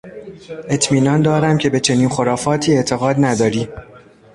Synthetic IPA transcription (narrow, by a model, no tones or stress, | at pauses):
ʔe̞t̪ʰmiːnɒːnd̪ɒːɾæmcʲʰe̞be̞t͡ʃʰe̞niːnxoɾɒːfɒːt̪ʰiːe̞ʔt̪ʰe̞ɣɒːd̪næd̪ɒːɾiː